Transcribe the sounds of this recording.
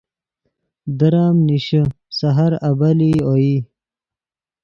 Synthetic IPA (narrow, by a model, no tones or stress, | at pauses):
d̪ɐɾaːmniɕə | sɐɦaɾɐbalioji